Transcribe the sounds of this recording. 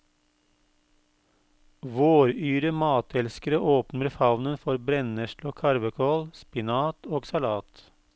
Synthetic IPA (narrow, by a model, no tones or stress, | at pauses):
ʋoːɾyːɾəmɑːt̪ʰɛlskəɾəʔoːpnəɾfɑʋnənfɔɾbɾɛnəʃloːkʰɑɾʋəkʰoːlspɪnɑːt̪oːɡsɑlɑːt̪